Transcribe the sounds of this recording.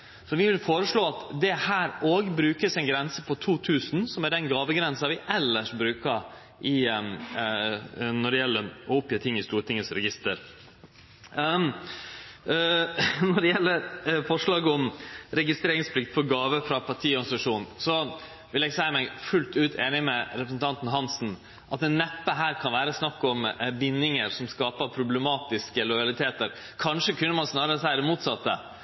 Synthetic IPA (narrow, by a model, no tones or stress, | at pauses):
sɔʋɪʋɪlfoːɾəʂɭoːɑt̪d̪ɛhæːɾoːɡbɾʉːkəsɛnɡɾɛnsəpʰɔt̪ʰuːt̪ʰʉːsn̩sɔmæɖɛnɡɑːʋəɡɾɛnsɑɾʋɪʔɛlːəʂbɾʉːkɑ | ʔɪ | nɔɖɛjɛlːəʔɔʊpjəːt̪ʰɪŋːɪst̪uːɾt̪ɪŋəsɾɛɡɪst̪əɾ | nɔɖɛjɛlːəɾfɔʂɭɑːɡəɔmɾɛɡɪst̪ɾeːɾɪŋspʰlɪkt̪fɔɾɡɑːʋəfɾɑpʰɑʈʰiːɔɾɡɑnsɑʂuːnn̩sɔ | ʋɪlɛɡsæɪəmæɪfʉlt̪ʉːt̪ʰeːnɪmɛɾɛpɾəsn̩t̪ʰɑnt̪n̩ɦɑnsn̩ | ʔɑt̪ɛnːɛpːəɦæːɾkʰɑnʋæːɾəsnɑkːɔmbɪnːɪŋəɾsɔmskɑːpəɾpʰɾʊblɛmɑːt̪ɪskəlɔɪɑlɪt̪ʰeːt̪əɾ | kʰɑnʂəkʰʉnːəmɑnsnɑːɾəəsæɪəɾəmuːt̪sɑt̪ːə̰